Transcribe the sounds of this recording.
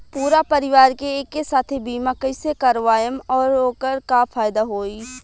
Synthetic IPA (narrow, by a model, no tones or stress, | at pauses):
puːɾapɐɾɪʋaːɾkeeːkːesaːt̪ʰibiːmakəsekaɾʋaːjəmɔːɾoːkəɾkafʰaːjd̪aɦoːiː